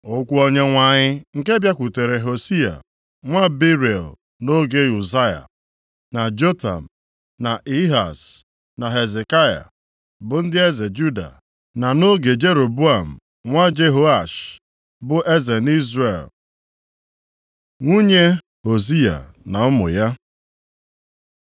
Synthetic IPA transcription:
o˦kʷu˦o˦ɲe˦ŋʷa˨ɲɪ˦ŋ̩˨ke˦bja˦kʷu˨te˨ɾe˨ɦo˨si˦a̰˨ | ŋʷa˦bi˦ɾe˨l | no˦ɡe˦ju˨za˦ja̰˨ | na˨d͡ʒo˦ta̰˨m̩˨ | na˨ʔi˦ɦa̰˨s | na˨ɦe˨ze˨ka˦ja̰˨ | bʊ˨n̩˦dɪ˦e˦ze˨d͡ʒu˦da̰˨ | na˨no˦ɡe˨d͡ʒe˦ɾo˨bu˦a˨m̩˨ | ŋʷa˦d͡ʒe˦ɦo˦a˨ʃ | bʊ˦ʔe˦ze˨ni˦zɾḛ˨l | ŋʷu˦ɲe˦ | ho˨z̬i˦a̰˨ | na˨ʊ˦mʊ̰˨ja˦

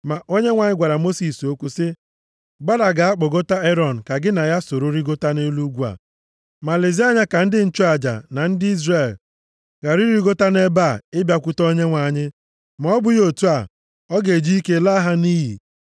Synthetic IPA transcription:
ma˨ʔo˦ɲe˦ŋʷa˨ɲɪ˦ɡʷa˨ɾa˨mo˦si˨so˦kʷu˦sɪ˦ | ɡ͡ba˦ɾa˨ɡa˨a˦k͡pɔ˨ɡo˦ta˦e˦ɾɔ˨n̩˨ka˨ɡɪ˦na˨ja˦so˨ɾo˦ɾi˦ɡo˦ta˦ne˦lu˦ɡʷu˦a̰˨ | ma˨le˨zi˦a˦ɲa˦ka˨n̩˦dɪ˦n̩˦t͡ʃu˦a˨d͡ʒa̰˨na˨n̩˦dɪ˦i˦zre˦˨l | ɡa˨ɾi˦ɾi˦ɡo˦ta˦ne˦ba˦˨ɪ˦bja˦kʷʊ˦tɔ˦ɲe˦ŋʷa˨ɲɪ˦ | m˨˦ɔ˦bʊ˨jo˦˨tu˦a˨ | ɔ˦ɡe˨d͡ʒi˦i˦ke˦la˦ɦa˦ni˦ɦḭ˨

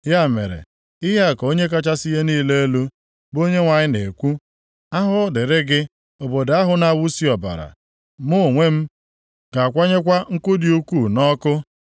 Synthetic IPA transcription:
ja˦˨mḛ˨ɾḛ˨ | ɪ˦ɦa˦˨ko˦ɲe˦k̬a˦t͡ʃa˦si˦ɦe˦niː˦˨le˦e˦lu˦ | bo˦ɲe˦ŋʷa˨ɲɪ˦ne˨kʷu˦ | a˦ɦʊ˦dɪ˨ɾɪ˦ɡɪ˦ | o˨bo˨da˦ɦʊ˦na˦˨wu˦si˦ɔ˨ba̰˨ɾa̰˨ | mʊ˦˨ŋʷe˦m̩˦ | ɡ̥a˨kʷa˦ɲe˦kʷa˦ŋ̩˦kʊ˦di˨u˦kʷu˦˨nɔ˦kʊ˦

